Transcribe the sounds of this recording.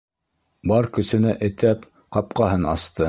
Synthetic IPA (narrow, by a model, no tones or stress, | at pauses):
bɑɾkɵ̆sɵ̆næʔɘ̆t̪æp | qɑp̚qɑɦɤnɑ̰st̪ɤ